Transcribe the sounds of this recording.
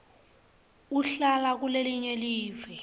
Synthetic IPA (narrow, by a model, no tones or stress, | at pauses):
uɬalak̬uleliɲeliːvɛ